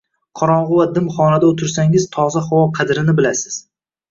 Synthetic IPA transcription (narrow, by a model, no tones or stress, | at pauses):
qʰɒɾɒɴʁʊvad̪ɪmχɒnad̪aot̪ʰɪɾsaŋɪz̥t̪ʰɒzaχɒwɒqʰɑd̪ɾɪnɪbɪlasɪ̥z̥